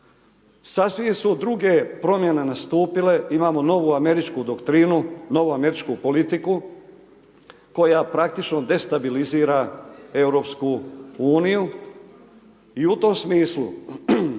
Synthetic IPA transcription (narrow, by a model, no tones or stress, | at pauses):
sasʋisud̪ɾuɡe̞pɾo̞mje̞ne̞nast̪uːpile̞imaːmo̞no̞ʋuame̞ɾit͡ʃkud̪okt̪ɾinuno̞ʋuame̞ɾit͡ʃkupo̞lit̪iku | ko̞japɾak̚t̪it͡ʃno̞d̪e̞st̪abiliziːɾae̞wɾo̞ːpskuuːniju | iut̪o̞msmiːslṵ